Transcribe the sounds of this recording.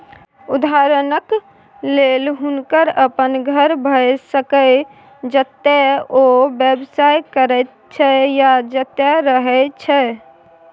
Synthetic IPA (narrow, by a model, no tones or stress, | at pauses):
ud̪ʱaɾənək | lelɦunkəɾəpənɡʱəɾbʱəsəkə | d͡ʒət̪ːɛobebsajkəɾɛt̪̚ | t͡ʃʰɛjad͡ʒət̪ːɛɾəɦɛt͡ʃʰɛ